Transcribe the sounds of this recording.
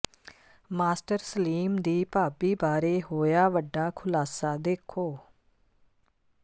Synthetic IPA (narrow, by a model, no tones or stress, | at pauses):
maːsʈəɾsəliːmd̪iːpaːbiːbaːɾeːɦoːjaːʋəɖːaːkʰʊlaːsaːd̪eːkʰoː